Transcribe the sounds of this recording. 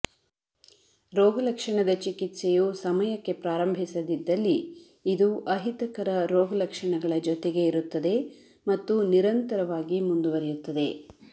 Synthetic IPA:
ɾoːɡɐlɐkʂɐɳɐd̪ɐt͡ʃikit̪sejusɐmɐjɐkːe̞pɾaːɾɐmbʱisɐd̪id̪ːɐlːiː | d̪uʔɐɦit̪ɐkɐɾɐɾoːɡɐlɐkʂɐɳɐɡɐɭɐd͡ʒɔt̪eɡe̞iɾut̪ːɐd̪e̞ | mɐt̪ːuniɾɐnt̪ɐɾɐʋaːɡimund̪uʋɐɾijut̪ːɐd̪e̞

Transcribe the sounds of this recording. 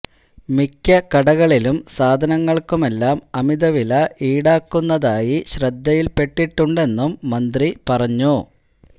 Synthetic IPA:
mikʲːɐkɐɽɐɣɐɭilumsaːd̪ʱɐnɐŋːɐɭkume̞lːaːmɐmiðɐʋilɐʔiːɽaːkːunːɐðaːjiɕrɐd̪ːɐjilpe̞ʈːiʈːuɳɖe̞nːumːɐnd̪ripɐrɐɲːu

